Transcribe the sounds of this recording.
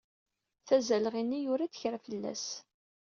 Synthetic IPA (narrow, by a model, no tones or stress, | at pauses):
θæzælʁinːijʊɾat͡sçɾæfəlːæ̰s